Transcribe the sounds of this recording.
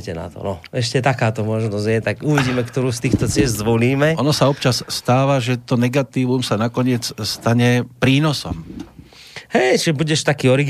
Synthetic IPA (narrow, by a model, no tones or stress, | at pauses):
cɛna̰t̪ɔ̰nɔɛʃcɛt̪akaːt̪ɔmɔʒnɔzjɛt̪akuʋiɟiːmɛkt̪ɔɾuːst̪iːxt̪ɔt͡sɪɛzzʋɔliːmɛʔɔnɔsaɔpt͡ʃasst̪aːʋaʒɛt̪ɔnɛɡat̪iːʋumsanakɔɲɪɛt͡sst̪aɲɛpɾiːnɔsɔ̰m | hɛjt͡ʃiɛbuɟɛʃt̪akiːɔɾiɡ